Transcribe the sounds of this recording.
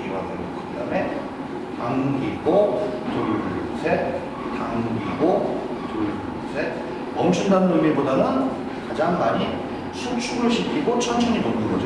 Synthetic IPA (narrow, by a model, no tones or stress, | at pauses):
kiɡwa̰neɾɯkuame | taŋɡiɡotojsʰe | taŋɡiɡotoɭ | sʰe | mʌmt͡ɕʰundanɯnumibodanɯn | kad͡ʑaŋmaɲi | sʰut͡ɕʰuɡɯɭɕʰikʰiɡot͡ɕʰʌnt͡ɕʰʌɲimʌndɯɡod͡ʑ